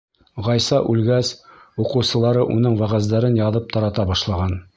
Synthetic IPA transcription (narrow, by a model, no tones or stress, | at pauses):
ʁɑjsɑʔʉlɡæsuqɤ̆wsɤ̆lˠɑɾɤʔunɤɴwæʁæzd̪æɾɘnjɑðɤp̚t̪ɑɾɑt̪ɑbɑʃlˠɑʁɑn